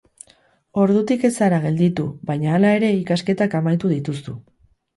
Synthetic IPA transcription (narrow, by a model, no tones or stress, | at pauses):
o̞ɾðut̪ike̞saɾaɣ̞e̞ld̪it̪uβajɲaːlae̞ɾe̞ikaske̞t̪akamajt̪uðit̪ust̪u